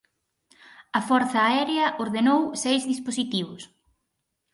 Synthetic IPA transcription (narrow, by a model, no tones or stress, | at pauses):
ɐfɔɾθɐːɛɾeɐʔoɾðenowsejzðisposit̪iβ̞ʊs